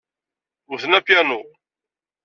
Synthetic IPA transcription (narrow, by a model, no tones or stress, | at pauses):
ʊθənæpjænu